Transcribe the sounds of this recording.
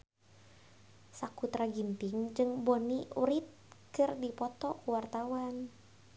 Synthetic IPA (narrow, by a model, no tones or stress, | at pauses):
sakut̪ɾaɡint̪ɪŋd͡ʒɨŋboniṵɾit̪̚kɨrdipɔt̪ɔkwart̪awan